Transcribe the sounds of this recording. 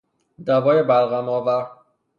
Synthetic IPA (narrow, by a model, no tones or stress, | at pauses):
d̪ævɒːjebælɣæmɒːvæ